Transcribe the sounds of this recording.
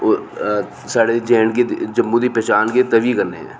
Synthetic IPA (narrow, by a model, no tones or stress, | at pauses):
o | saːɽed͡ʒɛːɳked͡ʒɐmːud̪ipɛːt͡ʃaːnket̪ɐʋikɐɾneɦɛ̰̃ː